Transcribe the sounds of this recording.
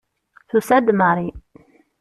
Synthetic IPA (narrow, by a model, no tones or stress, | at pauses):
θusæd̪maɾˤi